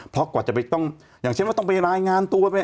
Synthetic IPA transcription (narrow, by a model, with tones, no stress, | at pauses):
pʰɔ˦˥kɔː˨˩t̚t͡ɕa˨˩pa˧jt̪ɔ˥˩ŋ | jaː˨˩ŋʰt͡ɕʰe˥˩ma˥˩t̪ɔ˥˩˧pa˧ɾaː˧jŋaː˧nt̪u˧ɐ˧pa˧˩